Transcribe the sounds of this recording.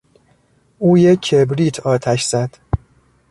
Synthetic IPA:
ʔuːjekʰːebɾiːt̪ʰɒːt̪ʰæʃz̥æd̪̥

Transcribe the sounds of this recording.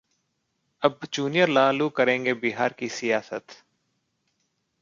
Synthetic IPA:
əbd͡ʒuːnijəɾlaːluːkəɾẽːŋɡebɪɦaːɾkisɪjaːsət̪

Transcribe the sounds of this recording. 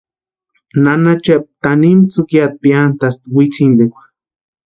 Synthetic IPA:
nanat͡ʃap̚t̪animt͡sɨkjat̪̚piant̪ast̪wit͡sʰind̪ekʷḁ

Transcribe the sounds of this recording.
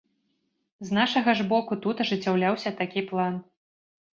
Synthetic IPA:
znaʂɐɣɐʐbɔkut̪ut̪ɐʐɨt͡sʲːawlʲawsʲɐt̪akʲiplˠan

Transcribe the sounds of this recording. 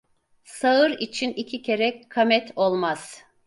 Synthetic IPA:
saɯɾit͡ʃʰinicʰicʰe̞ɾɛkʰamɛt̪ʰo̞lˠmaz̥

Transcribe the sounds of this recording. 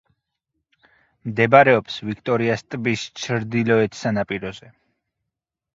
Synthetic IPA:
md̪ɛbaɾɛɔpsvikʰt̪ʼɔɾiast̪ʼbist͡ʃʰɾd̪ilɔɛt̪ʰsanapʼiɾɔzɛ

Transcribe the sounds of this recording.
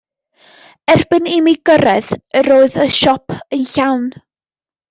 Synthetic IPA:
ɛrb̥ɪnɪmiɡəɾɛðəɾoːɨðəʃɔpʰənɬawn

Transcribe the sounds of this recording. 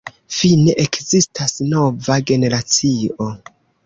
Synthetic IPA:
fineʔekzistʰasno̞vaɡe̞ne̞ɾat͡sio̞

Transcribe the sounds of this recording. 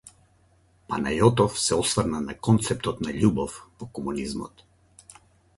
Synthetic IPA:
panajɔt̪ɔfsɛɔsvrnanakɔnt̪sɛp̚t̪ɔt̪naʎubɔfpɔkɔmunizmɔ̰t̪

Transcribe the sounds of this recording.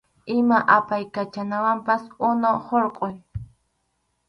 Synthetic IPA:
ɪmaʔapajkat͡ʃanawampasʊnohoɾqʼoj

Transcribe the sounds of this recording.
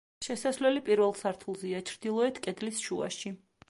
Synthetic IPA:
ʃɛsasvlɛlipʼiɾvɛlˠsaɾt̪ʰulˠziat͡ʃʰɾd̪ilˠɔɛt̪ʰkʼɛd̪lisʃua̰ʃi

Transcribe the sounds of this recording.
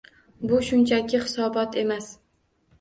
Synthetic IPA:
bʊʃʊnt͡ʃʰakʲʰɪχɪsɒbɒt̪ʰe̞mas

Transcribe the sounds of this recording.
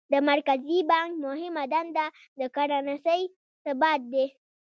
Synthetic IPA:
d̪əmaɾkazibaŋk̚mʊɦɪmad̪ɐnd̪a | d̪əkaɽanasaj | səbaːt̪̚d̪eː

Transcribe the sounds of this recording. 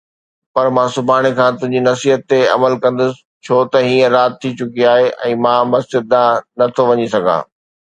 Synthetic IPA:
pɐɾmãːsʊbʱaːɽ̃ekʰãːt̪ʊ̃ɦɪ̃ɲd͡ʑinɐsiːɦət̪ːeɐ̰məlkɐ̃nd̪ʊsɪ̥ | t͡ɕʰoːt̪ɐɦiːə̃ɾaːt̪̚t̪ʰːit͡ɕʊkiaːɦeʔɛ̰̃ːmãːmɐsd͡ʑɪd̪̚ːãnɐt̪ʰoʋɐɲisɐɡʱa̰ː

